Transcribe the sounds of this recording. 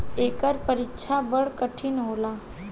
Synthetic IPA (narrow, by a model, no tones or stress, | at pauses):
ekəɾpəɾikt͡ʃʰabəɭkəʈʰiːnɦola